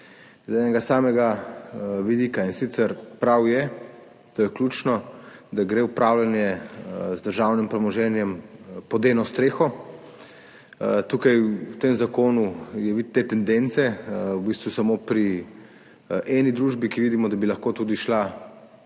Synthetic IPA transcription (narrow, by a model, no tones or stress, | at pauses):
zɛnɛɡasaːmɛɡa | ʋid̪iːkainsit̪səɾpɾawjɛ | t̪oːjɛklʲut͡ʃnɔd̪aɡɾeupɾawlanjɛzd̪əɾʒawnimpɾɛmɔʒɛnjɛmpɔd̪eːnɔst̪ɾeːxɔ | t̪uːkajut̪emzakoːnujɛʋit̪ːet̪ɛnd̪ent̪sɛwbist̪ʋusamopɾi | ʔɛnid̪ɾuːʒbikiʋid̪imɔd̪abilɐxkot̪ud̪iʃla